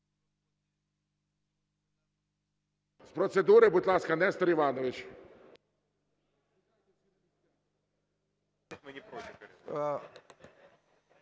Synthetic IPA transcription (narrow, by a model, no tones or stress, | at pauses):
spɾɔsɛd̪uɾɪbʊt̪lˠɑskɐnɛst̪ɔɾɪʋɑnɔʋɪt͡ʃ | mɨnʲɪpɾɔt̪ʲɪ